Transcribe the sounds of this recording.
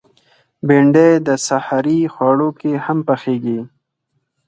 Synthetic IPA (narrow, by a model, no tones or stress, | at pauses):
beɳɖejd̪əsahaɾixwɑɽokehampaxeɡi